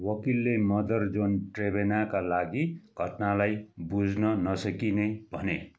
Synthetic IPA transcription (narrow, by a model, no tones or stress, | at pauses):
wʌkilːemʌd̪ʌrd͡zonʈrebenakalaɡiɡ̥ʱʌʈnalajbud͡znʌnʌsʌkinebʱʌne